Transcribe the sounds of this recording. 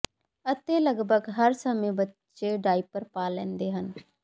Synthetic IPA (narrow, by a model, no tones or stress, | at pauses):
ət̪eləɡbʱəɡɦəɾsəmẽbətː | t͡ʃeɖaːipəɾpaːlɛ̃ːnd̪eːɦən